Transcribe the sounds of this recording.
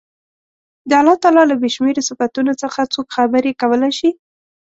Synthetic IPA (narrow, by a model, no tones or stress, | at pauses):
d̪əalɑt̪ɑlɑlabeʃmeɾsɪfat̪unot͡səxat͡sokxabəɾekawəlajʃi